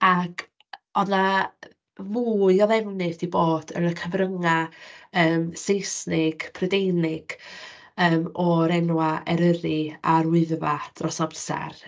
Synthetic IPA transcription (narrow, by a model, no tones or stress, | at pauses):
akʰ | ɔna | muːjɔðɛvnɪθiboːd̥ə̰nəkʰəvrəŋaəːmsejsnɪɡ̥pʰrədejnɪɡ̥ | əːmɔɾɛnwaɛɾəɾɪarwɪðvad̥rɔsɔbsɛ̰r